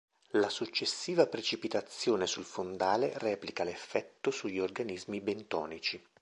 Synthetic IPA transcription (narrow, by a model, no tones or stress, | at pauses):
lasut͡ʃːesːiːvapɾet͡ʃipit̪at̪sːjoːnesulfond̪aːlerɛːplikalefːɛt̪ːosuʎːiorɡanizmibent̪ɔ̰ːnit͡ʃi